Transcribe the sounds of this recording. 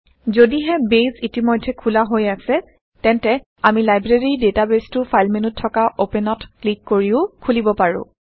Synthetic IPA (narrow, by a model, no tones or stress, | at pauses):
zodiɦɛbezitimojdʱːɛkʰulaɦojasɛ | tɛntɛ | amilajbɹeɹidetabestʊpʰajlmenutʰːɔkaʔopɛnɔtklikːoɹiʊkʰulibɔpaɹʊ̰̃